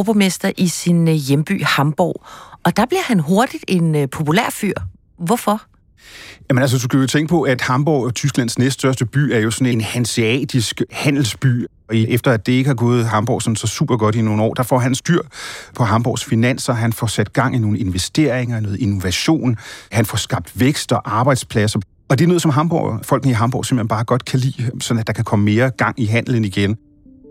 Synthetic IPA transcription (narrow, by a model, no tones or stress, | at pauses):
b̥ɒmesd̥ɐʔisinjemb̥y̰ːhɑ̈mb̥ɒ̰ːɒ̽d̥ɑ̈b̥liɐhænɦo̝ɐd̥id̥e̝npʰo̝pʰulæ̰ɐ̰fyɐ̰ | ʋɒfɒ̽ | jæmənælsəd̥uskʰæjot͡sʰeŋɡ̥əpʰɒ̽ʔæd̥hɑ̈mb̥ɒʊɒt͡sʰysɡ̥læn̰snesd̥sɶɐsd̥əb̥y̰ːæɐjo̝sɒ̽ne̝nhænsiɛ̰ːd̥isɡ̥hæn̰l̩sb̥y̰ː | ɒ̽iʔefd̥ɐæd̥d̥e̝e̝ɡ̥əhɑ̈ɡ̥ɔ̽ːð̞̩ˠɦɑ̈mb̥ɒ̰ːsɒ̽mnsɒ̽sṵːb̥ɐɡ̥ɒ̽d̥ino̝ːn̩ɒ̰ːd̥ɑ̈fɒ̰ɦænsd̥yɐ̰pʰɒ̽ɦɑ̈mb̥ɒ̰sfinæn̰sɐɦænfɒsæd̥̚ɡ̥ɑ̈ŋ̰ʔino̝ːn̩e̝nʋesd̥e̝̰ɐ̰eŋɐnɔ̽ːð̩ˠino̝ʋæɕo̝̰ːnhænfɒsɡ̥ɑ̈b̥̚d̥ʋeɡ̥sd̥ɒ̽ʔɑ̈ːb̥ɑ̈ɪd̥spʰlæsɐ | ɒ̽d̥e̝ɐnɔ̽ːð̞̩ˠsɒ̽mɦɑ̈mb̥ɒ̰ʊfɒ̽l̰ɡ̥n̩əiɦɑ̈mb̥ɒ̰ːse̝m̥l̥henbɑ̈ːɡ̥ɒ̽d̥kʰælḭːsɒ̽næd̥ɑ̈kʰækʰɒ̽məme̝ːɐɡ̥ɑ̈ŋ̰iɦæn̰ln̩iɡ̥en